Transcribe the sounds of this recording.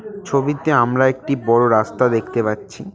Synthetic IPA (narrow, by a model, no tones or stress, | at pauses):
t͡ɕʰobit̪eamɾaek̚ʈibɔɽoɾast̪ad̪ekʰt̪epatːɕʰi